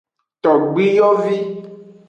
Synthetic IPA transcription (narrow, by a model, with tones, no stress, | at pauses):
t̪ɔ˨ɡ͡bi˦jɔ˦vi˦